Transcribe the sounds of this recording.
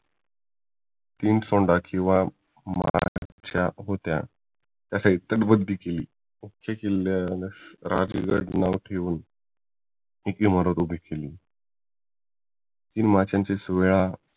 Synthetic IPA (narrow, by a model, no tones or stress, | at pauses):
iːnʈsoɳɖakĩw̃ʋa | ma̰t͡ɕjaɦot̪ja̰ | t̪jasait̪əʈbəd̪ʱːikelḭː | mukʰːjekelaɾa̰d͡ʑḭɡə̰ɽnaʋʈʰeʋuːn | ekiməɾət̪ubʱikeliː | t̪iːnmat͡ɕjãnt͡ɕesʋeɭa